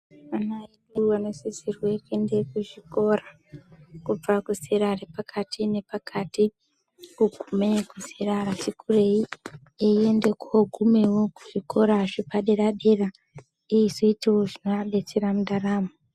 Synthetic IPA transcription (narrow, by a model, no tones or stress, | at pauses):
anaiɗuano̞sizirwekue̞nde̞kuʐiko̞ra | kub͡vakusiɾarepakʰatine̞pakʰati | kuɡʱume̞kuziraɾat͡ʃikʰure̞i | eende̞koɡʱume̞wo̞kuʐiko̞ɾaʐipaɗeraɗera | iizoitiwo̞ʐinoaɗe̞t͡se̞ɾamuɗaraːmo